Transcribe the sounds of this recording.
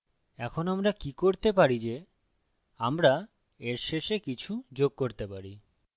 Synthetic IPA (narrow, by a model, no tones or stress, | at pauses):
ɛkʰonamɾakikoɾt̪ep̬aɾid͡ʑe | amɾa | eɾʃeʃekit͡ɕʰud͡ʑoɡ̚koɾt̪epaɾi